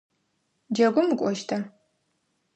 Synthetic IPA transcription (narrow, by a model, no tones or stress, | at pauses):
d͡ʒɐɡʷʊmɨkʷʼɔʃtʰa